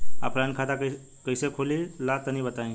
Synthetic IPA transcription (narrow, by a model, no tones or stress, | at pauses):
a̰pɾankʰat̪akə | kəjsekʰolilat̪ənibət̪aĩ